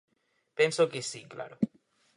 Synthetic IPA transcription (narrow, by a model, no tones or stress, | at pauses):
pensokesikla̰ɾo